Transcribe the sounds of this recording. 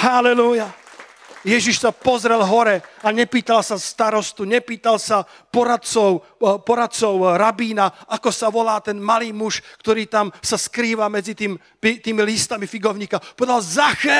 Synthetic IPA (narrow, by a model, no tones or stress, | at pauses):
halɛluja | jɛʒiʃsapɔzɾɛlɦɔɾɛaɲɛpiːt̪alsast̪aɾɔst̪uɲɛpiːt̪alsa | pɔɾat̪t͡sɔʊ | pɔɾat̪̚t͡sɔʊɾabiːnaʔakɔsaʋɔlaːt̪ɛnmaliːmuʃkt̪ɔɾiːt̪amsaskɾiːʋamɛd͡zit̪iːm | pit̪iːmilist̪amifiɡɔʊɲiːkapɔʋɛd̪alzaxɛ